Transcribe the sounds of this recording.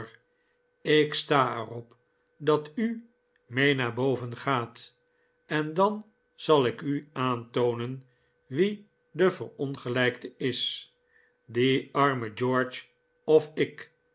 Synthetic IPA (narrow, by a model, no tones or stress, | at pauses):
ɪkstaːɛrɔp | dɑty | mejnaːɹbowvənχaːt | ɛndɑn | z̥ɑlˠɪkyaːntownən | ʋi | dəvəɹɔnχəlɛjktəɪs | diɑɹməd͡ʒoːɹt͡ʃ | ɔfɪk